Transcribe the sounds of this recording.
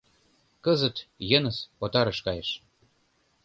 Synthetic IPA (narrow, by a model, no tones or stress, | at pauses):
kɤzət̪jɤ̆nəsot̪ɑɾə̆ʃkɑjeʃ